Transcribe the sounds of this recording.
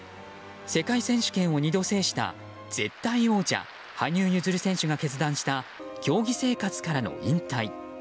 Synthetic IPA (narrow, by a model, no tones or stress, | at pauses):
se̞kaisẽ̞ɰ̃ɕɨ̥kẽɰ̃o̞ɲ̟id̪o̞se̞ːɕi̥t̪a̰ | z̥e̞̰t̪ːaio̞ːt͡ɕa̰ | haɲ̟ʲɨːjɯzɨɾɯ̟sẽ̞ɕɨɡake̞t͡sɨd̪ãɰ̃ɕi̥t̪akʲo̞ːɡʲise̞ːkat͡sɨ̥kaɾano̞̰ĩnt̪ai